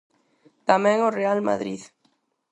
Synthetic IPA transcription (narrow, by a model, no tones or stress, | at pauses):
t̪amẽŋorealma̰ðɾið